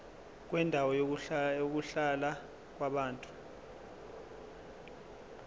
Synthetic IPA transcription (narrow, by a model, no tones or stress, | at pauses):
k̬wɛndʱawɔjook̬uɬala | k̬waɓaːntʼu̥